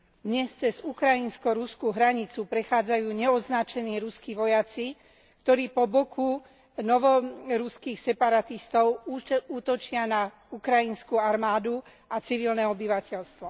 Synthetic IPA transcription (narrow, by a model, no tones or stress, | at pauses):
d̪ɲɛst͡sɛzukɾajinskɔɾuskuɦɾaɲit͡supɾɛxaːd͡zajuːɲɛɔznat͡ʃɛniːɾuskiʋɔjat͡si | kt̪ɔɾiːpɔbɔkʰu | nɔʋɔɾuskixsɛpaɾat̪ist̪ɔʊuːt̪ɔt͡ʃɪana | ukɾainskuaɾmaːd̪u | at͡siʋilnɛɔbiʋacɛʎst̪ʋɔ